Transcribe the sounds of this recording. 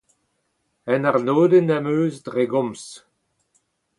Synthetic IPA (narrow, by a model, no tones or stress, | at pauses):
ɛnaʁnoːdənamøːzdʁeɡɔ̃ms